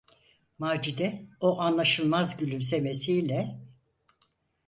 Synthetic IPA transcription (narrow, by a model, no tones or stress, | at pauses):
maːd͡ʒid̪ɛoʔanlˠaʃɯlˠmazɟylʲymse̞me̞sijlʲɛ